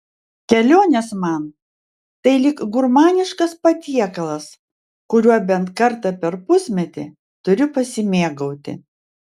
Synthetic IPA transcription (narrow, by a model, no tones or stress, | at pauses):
kʲɛlʲoːnʲɛsmɐn | t̪ɐɪlʲɪkɡʊɾmɑːnʲɪʃkɐspɐt̪ʲiɛkɐlˠɐs | kʊɾʲuɔbʲɛnt̪kɐɾt̪ɐpʲɛɾpʊsʲmʲɛt̪ʲɪ̰ | t̪ʊɾʲʊpɐsʲɪmʲeːɡɐʊt̪ʲɪ̰